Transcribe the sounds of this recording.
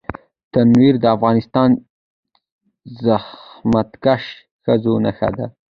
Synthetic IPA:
t̪anwiɾd̪əafɣɑnɪst̪ɑn | zahmat̪kaʃ | xəzonaxa̰d̪a

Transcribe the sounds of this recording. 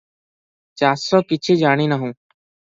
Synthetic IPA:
t͡ʃaːsɔːkɪt͡ʃʰiːd͡ʒaːɽ̃iːnəɦũː

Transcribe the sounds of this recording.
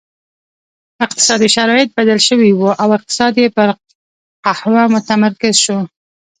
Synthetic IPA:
ɪq̚t̪ɪ̥sɑd̪iʃaɾɑjɪt̪̚bad̪alʃəwiwuʔawɪq̚t̪ɪ̥sɑd̪jepəɾ | qahwamʊt̪amaɾkɪzʃu

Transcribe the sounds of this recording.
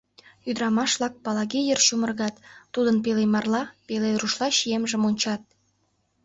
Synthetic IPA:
jyd̪əɾɑmɑʃβlɑk̚pɑlɑɣejerʃumə̆rɣɑt̪ːud̪ənp̬elemɑrlɑpeleruʃlɑɕijemʒə̆monʲt͡ɕɑt̪̚

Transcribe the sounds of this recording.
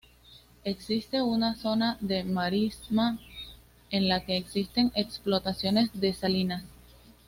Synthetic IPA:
e̞ksist̪e̞unaso̞naðe̞maɾisma | e̞nlake̞ːksist̪e̞ŋe̞ksplo̞t̪asjo̞ne̞sðe̞salinas

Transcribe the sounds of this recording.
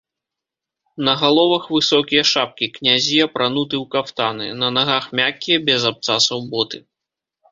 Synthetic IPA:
nɐɣalˠɔvɐxvɨsɔkʲijɐʂap̚kʲiknʲazʲiɐpɾanut̪ɨwkaft̪anɨ̰nɐnaɣaxmʲakʲːijɐbʲɛzap̚t̪sasɐwbɔt̪ɨ

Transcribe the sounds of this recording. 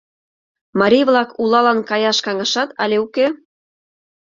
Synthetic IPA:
mɑɾʲijvlˠɑkulˠɑlɑnkɑjɑʃkɑŋɑʃɑt̪ɑ̰lʲeuke

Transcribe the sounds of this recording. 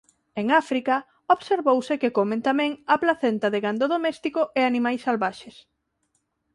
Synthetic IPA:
eŋafɾikɐ | oβseɾβowsekekomẽnt̪amɛ̃ŋɐplaθɛnt̪aðeɣand̪oðomɛst̪ikoʔeanimajsːalβaʃes

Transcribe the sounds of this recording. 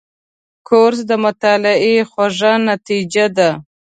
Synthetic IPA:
kʰoɾsd̪əmʊt̪ɑlɪexwaʐanat̪id͡ʒad̪a

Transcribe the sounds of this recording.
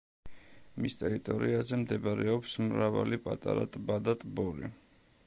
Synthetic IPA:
mist̪ʼɛɾit̪ʼɔɾiazɛmd̪ɛbaɾɛɔpsmɾava̰lipʼat̪ʼaɾa̰t̪ʼbad̪at̪ʼbɔɾḭ

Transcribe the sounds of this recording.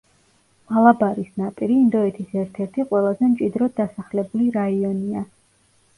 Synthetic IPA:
malˠabaɾisnapʼiɾiːnd̪ɔɛt̪ʰisɛɾt̪ʰɛɾt̪ʰiqʼwɛlˠazɛmt͡ʃʼid̪ɾɔd̪asaχlɛbuliɾaiɔnia

